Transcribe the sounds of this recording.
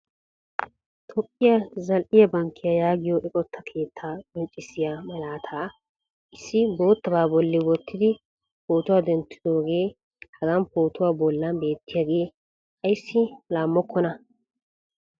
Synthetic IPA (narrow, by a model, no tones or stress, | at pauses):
t̪ʰɔpʼːɪjɐzɐlʔɪjɐbɐŋkʰːɪjɐjaːɡɪjɔʔɛkʼɔt̪ʰːɐkʰe̞ːt̪ʰːaːkʼɔnt͡ʃʼːɪsɪjamɐlaːt̪ʰaː | ʔɪsːɪboːt̪ːɐbaːbɔlːɪwɔt̪ːɪd̪ɪ | poːt̪ʊwaːd̪ɛnt̪ːɪd̪o̞ːɡe̞ː | hɐɡanpoːt̪ʊwaːbɔlːɐnbe̞ːt̪ːɪjaːɡe̞ː | ɐjsːɪlaːmːɔkʰːɔnɐ